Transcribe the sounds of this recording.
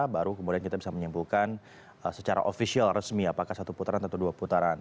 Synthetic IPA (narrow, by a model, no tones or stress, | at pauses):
baɾukəmudiankit̪abisaməɲimbulkan | əsət͡ʃaɾa̰ʔofisialrəsmiapakahsat̪uput̪aɾant̪ənt̪uduaput̪aɾan